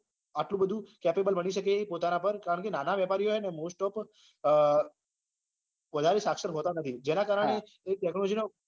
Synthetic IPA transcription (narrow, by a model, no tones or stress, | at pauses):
aʈlũbəd̪ʱũkɛpebəlbəniʃəkepot̪anapəɾkaɾəɳkenanaʋjɛpaɾijoenemosʈɔp | ʋəd̪ʱaɾisakʃəɾɦot̪anət̪ʰid͡ʒenakaɾəɽ̃eː | k̚ʈɛknod͡ʒino